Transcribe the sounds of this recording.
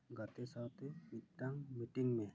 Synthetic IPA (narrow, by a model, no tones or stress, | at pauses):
ɡat̪ɛsawt̪ɛbit̪̚ʈaŋmiʈiŋmẽ